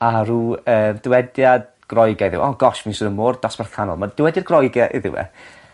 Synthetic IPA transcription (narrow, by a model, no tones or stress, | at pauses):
aɾuəːmd̥ɪwɛdjad | ɡ̥rɔjɡaɪðɪ̰wʔɔɡɔʃminsɪnənmoːrd̥ɔsb̥ɛrθanɔ̰lˠmad̥ɪwɛdjarɡrɔjɡaʔḭðɪ̰wɛ̰